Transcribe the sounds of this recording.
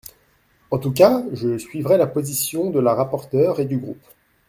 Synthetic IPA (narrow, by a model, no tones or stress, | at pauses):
ɑ̃t̪uk̬aʒəsɥivʁɛlapozisjɔ̃d̪əlaʁapɔʁt̪œːʁed̪yɡʁṵp